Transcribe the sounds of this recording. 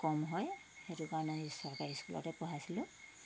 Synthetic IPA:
kɔmɦɔj | xetukaɹnanisɔɹkaɹiskulɔ̰tɛpɔɦasilʊ̃

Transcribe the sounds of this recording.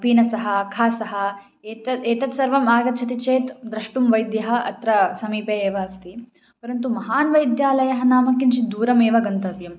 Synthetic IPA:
piːnɐsɐɦɐɐkʰaːsɐɦɐ | eɐeːt̪ɐt̪sɐɾʋɐmaːɡɐt̪̚t͡ʃʰɐt̪it͡ʃeːt̪d̪ɾɐʂʈumʋɐjd̪jɐɦɐ̆ʔɐ̰t̪ɾɐsɐmiːpeːeːʋɐɐst̪i | pɐɾɐnt̪umɐɦaːnʋɐjd̪jaːlɐjɐɦɐnaːmɐkːint͡ʃid̪uːɾɐmeːʋɐɡɐnt̪ɐʋjɐm

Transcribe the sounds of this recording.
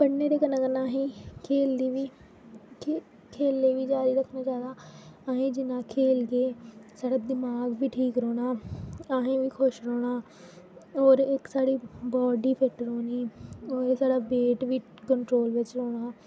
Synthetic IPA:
pəɽneːɾeːkənãːkənaːɦẽːkʰeːld̪iːʋiː | kʰeːlːeːʋiːd͡ʒaːɾiːɾəkʰːnaːt͡ʃaːd̪aːaːɦẽːd͡ʒɪnãːkʰeːlɡeːsəɽəd̪ɪmaːɡʋiːʈʰiːkɾoːɽ̃aːaːɦẽːʋiːkʰʊʃɾoːɽ̃aː | ɔːɾɪksaːɽiːbɔːɖiːpʰɪʈɾoːniːɔːɾsaːɽaːbeːʈʋiː | kəɳʈɾoːlʋɪt͡ʃɾoːɽ̃aː

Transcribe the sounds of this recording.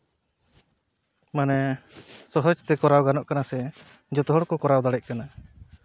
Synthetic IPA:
manɛsɔɦɔd͡ʒt̪ɛkɔɾawɡanɔʔkanasɛ | d͡ʒɔt̪ɔɦɔɽkɔkɔɾawd̪aɽɛc̚ˀkana

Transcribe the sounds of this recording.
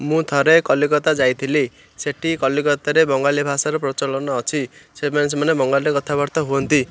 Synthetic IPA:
mũt̪ʰɔɾekɔlikɔt̪ad͡ʒajt̪ʰili | seʈʰikɔlikɔt̪aɾebɔŋɡalibʱasaɾupɾɔt͡ʃɔlɔnɔːt͡ʃʰisemans̬emanebɔŋɡaliekɔt̪ʰabɔɾt̪ɔɦuɔnt̪i

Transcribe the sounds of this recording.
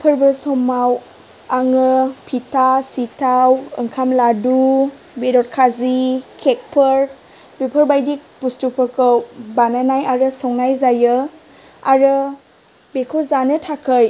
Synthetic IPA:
pʰəɾbɯsɔmaw | aŋɯpʰitasitʰawɯ̰ŋkʰamladu | bedɔt̚kʰazikʰek̚pʰɯɾ | bepʰəɾbajdik̚pustupʰɯɾkɯwbananajaɾɯsɔŋnajzajɯ | aɾɯ | bekʰowzanɯtʰakʰɯj

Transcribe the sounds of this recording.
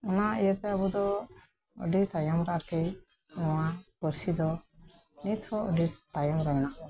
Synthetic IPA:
ɔnaijəp̪ɛabud̪ɔ | ɔ̰ɖit̪ajamɾaʔkɛ | nɔwakəɾsid̪ɔ | nit̪ʰɔɔɖit̪ajɔmɾaɡnaʔɔ

